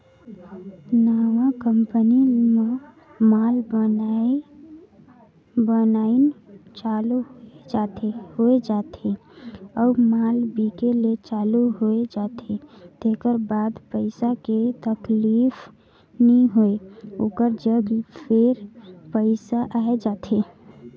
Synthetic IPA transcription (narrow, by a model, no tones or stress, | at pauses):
naʋakəmpənime | malbən | bənant͡ʃalud͡ʒat̪ehoed͡ʒat̪ʰeəumalbikelet͡ʃaluɦoed͡ʒat̪ʰet̪ekəɾbad̪pəɪsaket̪əklifʰ | niɦoeokəɾd͡ʒəɡpʰeɾpəɪsaʔaed͡ʒat̪ʰe